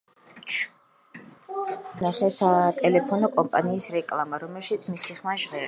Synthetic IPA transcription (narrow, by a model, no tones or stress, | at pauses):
t͡ʃ | naχɛsat̪ʼɛlɛpʰɔnɔkʼɔmpʼaniːsɾɛkʼlˠamaɾɔmɛlʃit̪sʰmisiχmaʒʁɛɾ